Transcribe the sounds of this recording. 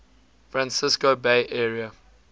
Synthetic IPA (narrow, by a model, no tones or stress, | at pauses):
fɹãnsɪskobeɪʔɛɹiə